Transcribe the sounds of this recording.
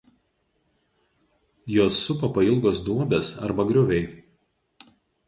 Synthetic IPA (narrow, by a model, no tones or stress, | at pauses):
joːsːʊpɐpɐɪlˠɡoːsd̪uɔbʲeːsɐ̰ɾbɐɡɾʲʊʋʲɛɪ